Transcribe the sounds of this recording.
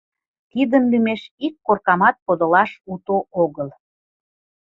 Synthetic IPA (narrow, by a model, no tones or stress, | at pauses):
t̪id̪ənlymeʃikːorkɑmɑt̪̚kod̪əlɑʃut̪oʔoɣəl